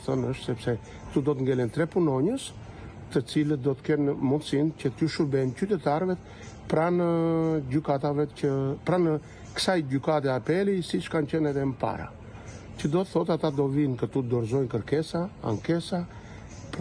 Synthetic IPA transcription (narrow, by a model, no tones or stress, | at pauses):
θənəʃt̪sɛpsɛ | t̪ud̪ɔt̪əŋɡɛlɛnt̪ɾɛpunɔɲəs | t̪ət͡silət̪̚d̪ɔt̪ə̥kɛnmund̪sincət̪uʃuɾbɛncyt̪ɛt̪aɾvɛt̪ | pɾanəɟykat̪avɛəpɾanə | ksajɟykat̪ɛapɛlisit͡ʃkancɛnɛðɛməpa̰ɾa̰ | cəd̪ɔt̪əθɔt̪at̪ad̪ɔvinkət̪ud̪ɔɾzɔjnkəɾkɛsaa̰ŋkɛsa | p